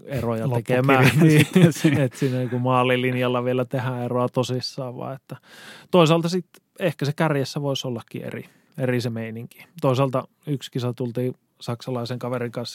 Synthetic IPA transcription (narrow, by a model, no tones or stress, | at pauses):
erojɑt̪etkemæːniːet̪sinːænikumɑːlːilinjɑlːɑʋielæt̪ehæeroɑt̪osisːɑːʋʋɑ̰ːet̪ːæt̪oˑisɑlt̪ɑsit̪ | ehkæsekærjesːæʋoˑisolːɑkːḭḛrḭ | erisemeiniŋki̥t̪oˑisɑːˑlt̪ɑ | ykskisɑt̪ult̪iː | sɑksɑlɑiseŋkɑʋeriŋkɑns